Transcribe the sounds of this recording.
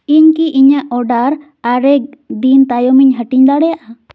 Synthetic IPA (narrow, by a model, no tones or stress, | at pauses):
iɲkiʔiɲaʔɔɖaɾ | aɾɛk̚d̪int̪ajomiɲɦəʈiɲd̪aɽɛjaʔa